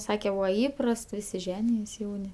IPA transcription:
ˈsɑːkʲɛ ˈbuːʋɐ ˈiːprɐst ˈʋʲɪsʲɪ ˈʒʲæːnʲɪjoːs ˈjɛʊnʲɪ

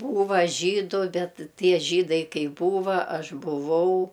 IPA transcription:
ˈbuːʋɐ ˈʒʲiːdʊ ˈbʲɛt ˈtʲiɛ ˈʒʲiːdɐɪ ˈkɐɪ ˈbuːʋɐ ˈɐʃ bʊˈʋɐʊ

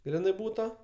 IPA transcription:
ˈɡrʲɪnɜ ˈbuːtɐ

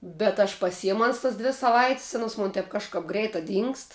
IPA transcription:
bʲɛt ɐʃ pɐˈsʲɪjɛmʊ ˈɐns tɐs ˈdʲʋʲɪ sɐˈʋɐɪtʲsʲ ˈɑːnoːs ˈmʊn tʲɛp kɐʃˈkɐp ˈɡrʲɛɪtɐ ˈdʲiːŋkst

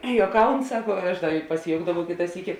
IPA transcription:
juɔˈkɐʊn ˈsɑːkoː ˈɐʃ ˈdɐ pɐsʲɪˈjoːʊɡdɐʋɐʊ ˈkʲɪtɐ ˈsʲiːkʲɪ

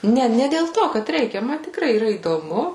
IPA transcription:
ˈnʲɛ nʲɛ dʲeːlˠ ˈtoː kɐt ˈrʲɛɪkʲɛ ˈmɐ tʲɪkˈrɐɪ iːˈrɐ iːdoːˈmʊ

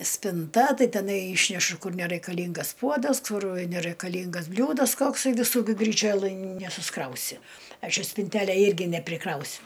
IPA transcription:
sʲpʲɪnˈtɐ ˈtɐɪ tʲɛˈnɐɪ ˈiːʃʲnʲɛʃʊ ˈkʊr nʲɛrɐɪkɐˈlʲiːŋɡɐs ˈpuɔdɐs ˈkʊr nʲɛrɐɪkɐˈlʲiːŋɡɐs ˈbʲlʲuːdɐs ˈkoːksɐɪ ʋʲɪˈsuː ɡʲɪ ɡrʲiːˈt͡ʃʲoːlˠɘj nʲɛsʊsˈkrɐʊsʲɪ ˈɐʃ ɪ sʲpʲɪnʲˈtʲæːlʲæː ˈɪrʲɡʲɪ nʲɛpʲrʲɪˈkrɐʊsʲʊ

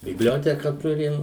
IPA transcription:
bʲɪbʲˈlʲoːtʲɛkɐ ˈtʊrʲɪm

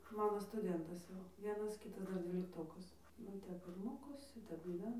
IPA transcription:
ˈmɑːnoː stʊˈdʲɛntɐs jɛʊ ˈʋʲiɛnɐs ˈkʲɪtɐs ˈdɐr dʲʋʲiːlʲɪkˈtoːkɐs nʊ ˈtʲɛp ɪr ˈmoːkoːsʲɪ ˈtʲɛp ɡʲiːˈʋʲæːnɐ

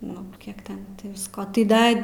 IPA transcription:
nʊ ˈkʲiɛk ˈtʲɛn tʲɪ ʋʲɪsˈkoː tɐɪ ˈdɐ

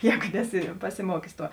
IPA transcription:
ˈjɛːɡʊ ˈnʲæːˌsʲɪ pɐsʲɪˈmuɔkʲʊs ˈtuɔ

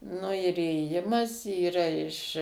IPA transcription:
nʊ ɪr iːeːˈjɪmɐs iːˈrɐ ɪʃ

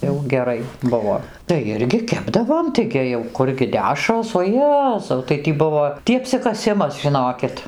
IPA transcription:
jɛʊ ɡʲɛˈrɐɪ ˈbʊʋoː tɐɪ ˈɪrʲɡʲɪ ˈkʲæːbdɐʋoːm tɐɪˈɡʲɪ jɛʊ ˈkʊrʲɡʲɪ ˈdʲæːʃroːs oː ˈjæːzɐʊ tɐɪ ˈtʲiː ˈbʊʋoː ˈtʲiː ɐpʲsʲɪkɐˈsʲɪmɐs ʒʲɪˈnoːkʲɪt

